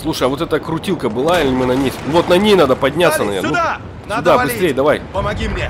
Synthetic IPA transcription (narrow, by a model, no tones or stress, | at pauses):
slˠuʂəjɐvot̪ɛt̪əkɾʊtʲilˠkəbɨlˠaɪlʲɪmɨnɐnʲejsʲvo̞t̪nɐnʲejnad̪əpɐdʲnʲat̪sːənɐvʲɛ̰nnu | sʲʊd̪abɨst̪ɾʲejd̪ɐvajʲ